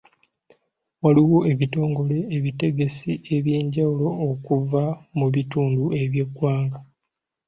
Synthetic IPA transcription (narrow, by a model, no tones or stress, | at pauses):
waliwoe̞βito̞ːŋɡo̞le̞ːβite̞ɡe̞siʔe̞βjeːɲɟawulo̞ːkuvamuβituːndue̞βje̞ɡwaːŋɡa